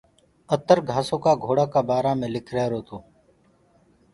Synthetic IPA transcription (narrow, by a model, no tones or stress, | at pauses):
ət̪əɾɡʱaːsõːkaːɡʱoːɽaːkaːbaːɾaːmẽːlɪkʰɾɛːɾoːt̪ʰoː